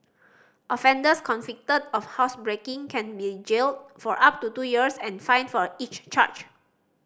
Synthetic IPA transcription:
ʔɔfɛ̃ndəskʰɔ̃nfik̚tədɔfhaʊsbɹekɪ̃ŋkʰɛ̃nbid͡ʒeld̚fɔɹʔap̚tutujiəsɛ̃nfãj̃nfɔit͡ʃt͡ʃa̰t͡ʃ

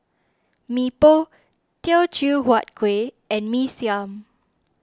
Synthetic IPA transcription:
mipo | tɛlt͡ʃuwɔt̚ɡ̥we | ɛ̃nmisiãm

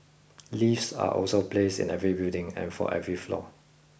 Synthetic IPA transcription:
lifsa̰ʔɔ̰lsoplesɪ̰̃nɛvɹibildɪ̃ŋɛ̰̃nfɔ̰ʔɛvɹiflɔ̰

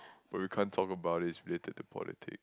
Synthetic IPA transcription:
b̥at̚wikʰãntʰɔkəbaʊt̚hisɹiletʰəd̚təpʰɔ̰lɪ̰tʰɪ̰k

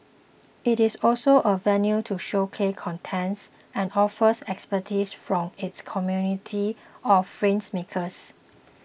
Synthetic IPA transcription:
ɪtɪsɔlsoʔəvɛ̃njutʰuʃokʰekʰɔ̃ntʰɛ̃ns | ɛ̃nɔfəsɛkspətʰisfɹɔ̃mɪtskʰɔmjunitʰiɔffɹẽnsmekʰəs

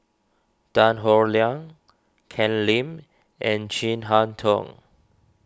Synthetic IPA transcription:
d̥ãnɦɔɹliãŋ | kʰɛ̃nlĩm | ʔɛ̃nd͡ʒĩnɦãntʰɔ̰̃ŋ

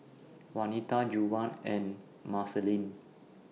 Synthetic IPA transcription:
wanit̪ad͡ʒuwãnɛ̃n | masəlĩn

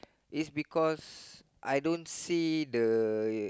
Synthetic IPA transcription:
isbikɔs | ʔa̰jdõnsidə

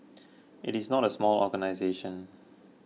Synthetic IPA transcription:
ʔɪtisnɔtəsmɔlɔ̰ɡənaɪzeʃə̃n

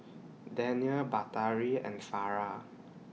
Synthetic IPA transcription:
dɛ̃niəlbataɹiɛ̰̃nfaɹa

